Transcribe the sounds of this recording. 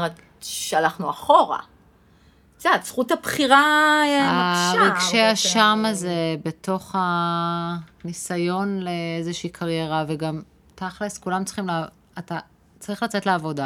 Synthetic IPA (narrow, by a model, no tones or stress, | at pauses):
at | ʃalaχnuaχo̞ʁa̰ | t͡set͡sχutapχiʁa | aʁʁiɡʃeaʃamaze̞be̞tʰo̞χa | nisajo̞nleezeʃiiːkʰaʁjeʁaveɡam | taχleskulamtt͡si̥χimle | ata | t͡saʁiχlat͡se̞tleavo̞da